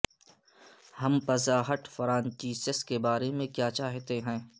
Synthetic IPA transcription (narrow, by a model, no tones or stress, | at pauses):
hɐmpɐzaːɦəʈfɾãːnt͡ʃiːsəskebaːɾemẽkjaːt͡ʃaːɦt̪eɦɛ̃ː